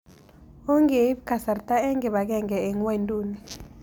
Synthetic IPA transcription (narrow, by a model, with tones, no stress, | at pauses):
ɔ˦ŋe˨˦bkʰʼa˨sa˨rtʼa˦ɛ˦ŋɡɛ˨ɓa˨k̬ɛ˦ŋɡɛ˨ɛ˨ŋwe˦˨ndʼuː˨ni˨